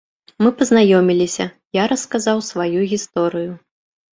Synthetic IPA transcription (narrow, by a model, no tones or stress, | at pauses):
mɨpɐznajɔmʲilʲisʲɐ | jaɾɐskazawsvajuɣʲist̪ɔɾɨju